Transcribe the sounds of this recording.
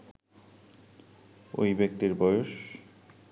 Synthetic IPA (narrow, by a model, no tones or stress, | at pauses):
o̰jbek̚t̪iɾbɔjoʃ